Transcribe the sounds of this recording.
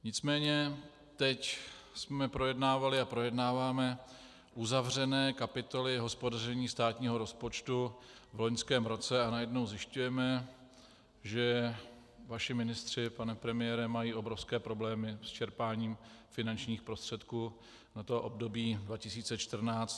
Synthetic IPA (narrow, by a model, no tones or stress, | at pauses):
ɲɪt͡smɛːɲɛ | t̪ɛcsmɛpɾo̞jɛdnaːvalɪapɾo̞jɛdnaːvaːmɛ | ʔuzavr̝ɛnɛːkapɪt̪o̞lɪɦo̞spo̞dar̝ɛɲiːst̪aːt̪ɲiːɦo̞ɾo̞spo̞t͡ʃt̪uvlo̞ɲskɛːmɾo̞t͡sɛanajɛdno̞wzjɪʃcujɛmɛ | ʒɛ | vaʃɪmɪnɪst̪r̝̥ɪpanɛpɾɛmɪjɛɾɛmajiːʔo̞bɾo̞fskɛːpɾo̞blɛːmɪst͡ʃɛɾpaːɲiːmfɪnant͡ʃɲiːxpɾo̞st̪r̝̥ɛt̪kuː | nat̪oʔobdo̞biːdvacɪsiːt͡sɛt͡ʃt̪r̩naːt͡st̪